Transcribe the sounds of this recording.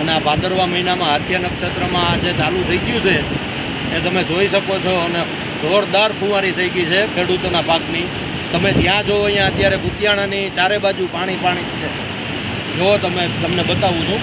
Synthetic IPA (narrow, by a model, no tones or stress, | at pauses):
əneabʱãd̪əɾʋaməinamãɦət̪ʰjanəkʃet̪ɾəmãd͡ʒet͡ʃalũt̪ʰəiɡjũt͡ʃʰe | et̪əmed͡ʒoiʃəkot͡ʃʰoəne | zoɾd̪aɾpʰũʋaɾit̪ʰəiɡit͡ʃʰekʰeɽut̪onapakni | t̪əmed͡ʒ̪jãd͡ʒoəĩjãət̪jaɾeɡʊt̪jaɽ̃anit͡ʃaɾebad͡ʒupaɽ̃ipaɽ̃it͡ʃʰe | d͡ʒot̪əmet̪əmnebət̪aʋũt͡ʃʰũ